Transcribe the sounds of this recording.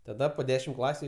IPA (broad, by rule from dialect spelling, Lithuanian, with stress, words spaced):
tɐˈdɐ poː ˈdʲæːʃʲɪm ˈklˠɑːsʲʊ